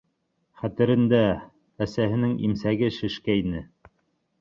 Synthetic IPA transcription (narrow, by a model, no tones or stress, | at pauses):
χæt̪ɘ̆ɾɘ̆nd̪æː | sæɦɘ̆nɘŋḭmsæɡɘʃɘ̆ʃkæinɘ